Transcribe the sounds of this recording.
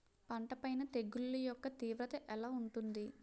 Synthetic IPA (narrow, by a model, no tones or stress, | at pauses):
pɐɳʈɐpɐjnɐt̪e̞ɡːulːujɔkːɐt̪iːʋɾɐt̪ɐʔɛlaːuɳʈund̪i